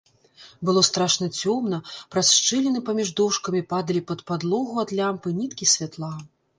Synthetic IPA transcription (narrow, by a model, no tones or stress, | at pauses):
bɨlˠɔst̪ɾaʂnɐt͡sʲɔmn̪ɐpɾasʂt͡ʂɨlʲɛnɨpamʲiʐd̪ɔwʂkɐmʲipad̪ɐlʲipɐt̪pad̪lˠɔɣuad̪lʲampɨnʲit̪kʲisʲvʲat̪lˠa